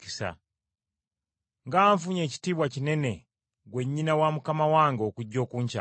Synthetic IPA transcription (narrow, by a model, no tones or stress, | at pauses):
isa̰ | ŋɡaːɱfuɲeci̥tiβwacinene | ɡweɲːinawamukamawaŋɡokuɟokuɲt͡ʃa̰